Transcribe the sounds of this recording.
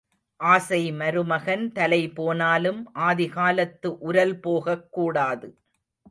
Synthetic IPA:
ʔaːsɐɪmɐɾɯmɐɣɐnt̪ɐlɐɪpoːnaːlɯmʔaːðɪɣaːlɐt̪ːɯʔʊɾɐlpoːɣɐkːuːɽaːðɯ

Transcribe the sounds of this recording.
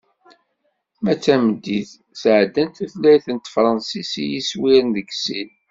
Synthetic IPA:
mæt͡sːæməd̪ːiθ | sʕd̪ːænt̪æθlæjθənt̪fɾˤɑnsisijiswiɾnðəɡsil

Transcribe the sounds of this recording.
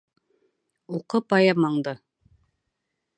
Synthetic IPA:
uqɤpɑjɑmɑɴd̪ɤ

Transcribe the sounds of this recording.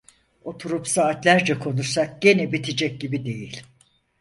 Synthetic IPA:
o̞t̪ʰuɾupsaːt̪lʲæɾd͡ʒɛkʰo̞nuɾsak̚ɟe̞nɛbit̪ʰid͡ʒɛc̚ɟibid̪e̞jilʲ

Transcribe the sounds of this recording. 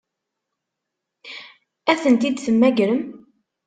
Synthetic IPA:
æθənt̪id̪θəmːæɡɾəm

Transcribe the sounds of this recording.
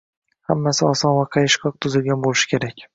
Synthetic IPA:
hamːasɪɒsɒnvaqʰɑjɪʃkʰɒq̚t̪ʰʊzɪlɡʲanbolɪʃɪ̥kʲʰe̞ɾakʲ

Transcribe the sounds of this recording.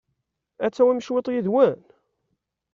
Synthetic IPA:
æt͡sːæwæmʃwɪt̪ˤjiðwæn

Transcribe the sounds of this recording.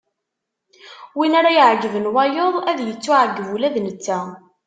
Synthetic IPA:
winaɾajəʕd͡ʒəvənwɑjoðˤæðjət͡sːuʕəɡːəvulæðnət͡sːæ

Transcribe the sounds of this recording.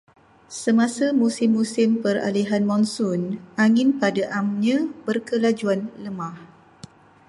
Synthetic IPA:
səmãsamusɪmːusɪmpəra̰liɦanmɔ̃nsʊnaŋɪ̃npadaʔamɲãbərkəlad͡ʒuanləmãh

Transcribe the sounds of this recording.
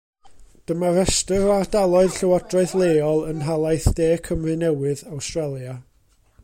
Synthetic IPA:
d̥əmaɾɛstɨɾoardalˠɔɨðɬəwɔdrɔɨðlˠeːɔlˠənɦalˠajθd̥eːkʰəmrɨnɛwɨðawstrɛlˠja

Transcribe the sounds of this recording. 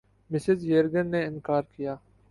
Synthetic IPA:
mɪsɪzjeːɾɡənːeɪ̃nkaːɾkijaː

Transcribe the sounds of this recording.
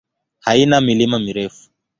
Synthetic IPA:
hainamilimamiɾɛfu̥

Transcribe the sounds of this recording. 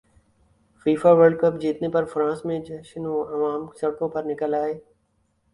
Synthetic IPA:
fiːfaːʋəɾɖkəp̚d͡ʒiːt̪nepɐɾfɾãːsmẽd͡ʒɛːʃənoɐʋaːmsɐɽkõpɐɾnɪkəlaːeː

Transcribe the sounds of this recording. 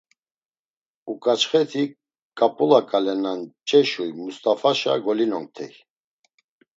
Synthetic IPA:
ukʼat͡ʃχɛt̪ʰi | kʼapʼulakʼalɛnant͡ʃʼɛʃujmust̪ʼafaʃaɡɔlinɔŋk̚t̪ʰɛ̰j

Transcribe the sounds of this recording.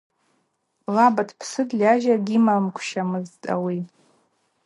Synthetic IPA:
labatʰpʰsɨdlʲaʒaɡʲimamkʷʰʃamɨztʼa̰wi

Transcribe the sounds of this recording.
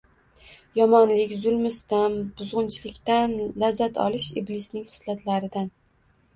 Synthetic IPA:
jɒmɒnlɪkʲzʊlˠmɪst̪anbʊzʁʊnt͡ʃʰlɪkʲt̪anlazːat̪ʰɒ̰lɪʃiblɪsnɪŋχɨ̥slat̪ʰlaɾɪd̪an

